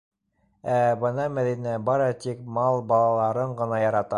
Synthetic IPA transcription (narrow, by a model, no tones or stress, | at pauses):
æbɤ̆nɑmæðinæbɑɾɑt̪ik̚mɑlˠbɑlˠɑlˠɑɾɤɴɢɤ̆nɑjɑɾɑt̪ɑ